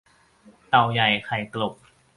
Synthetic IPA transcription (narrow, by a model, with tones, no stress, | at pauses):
t̪a˨˩wja˨˩jkʰa˨˩jklo˨˩p̚